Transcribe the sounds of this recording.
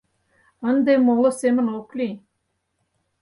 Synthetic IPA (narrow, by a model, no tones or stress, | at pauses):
ənd̪emolˠəsemənoklʲi